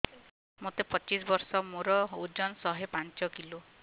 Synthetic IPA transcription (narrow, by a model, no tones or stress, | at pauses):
mot̪epɔt͡ʃisbɔɾsɔmoɾɔud͡ʒɔnsɔɦepant͡ʃɔkilu